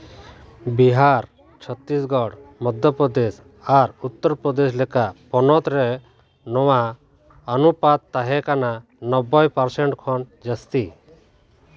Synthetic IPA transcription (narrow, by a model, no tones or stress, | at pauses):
biɦaɾ | t͡ʃʰɔt̪ːisɡɔɽmɔd̪ʱjɔpɾɔd̪es | aɾut̪ːɔɾpɾɔd̪eslɛkapɔnɔt̪ɾɛ | nɔwaː | nupat̪̚t̪ːaɦɛkana | nɔbɔjpɔɾsɛɳʈkʰɔnd͡ʒəst̪i